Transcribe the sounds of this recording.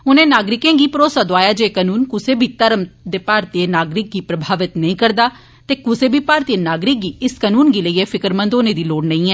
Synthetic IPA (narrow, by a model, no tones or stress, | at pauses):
ʊnẽːnaːɡɾɪkẽːɡiːpəɾoːsaːd̪oaːjaːd͡ʒeːkənuːnkʊseːbʱiːt̪əɾəmd̪eːpaːɾt̪ieːnaːɡɾɪk̚ɡiːpɾəbʱaːʋɪt̪nəĩːkəɾd̪aː | t̪eːkʊseːbʱiːpaːɾt̪ieːnaːɡɾɪk̚ɡiːɪskənuːnɡiːləiːeːfʰɪkəɾmə̃nd̪oːnẽːd̪iːloːɽnəĩːɛː